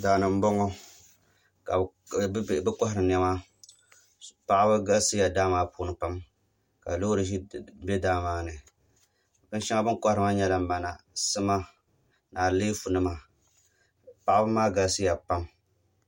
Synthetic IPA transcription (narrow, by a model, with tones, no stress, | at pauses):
daː˨nɨ˨m̩˦bɔ˦ŋo˦ | ka˨˦˨ | bɛ˦kɔ˦hɪ˦ɾɨ˨n˦ɛ˦ma˦ | pa˨ʔa˦bɨ˦ɡa˦sɨ˦ja˨daː˦maː˨˦puː˦˨nɨ˨pa˦m | ka̰˨lo˦ɾɨ˨ʒi˦bɛ˦daː˦maː˨˦nɨ˨ | bɨ˦n˦ʃa˦ŋa˦bɨ˦ŋkɔ˦hɾɨ˨ma˦ɲɛ˦la˨m̩˦ba˨na˨sɨ˦ma˦ | naː˨leː˦fu˨nɨ˦ma˨ | pa˨ʔa˦bɨ˦maː˦ɡa˨sɨ˦ja˨pa˦m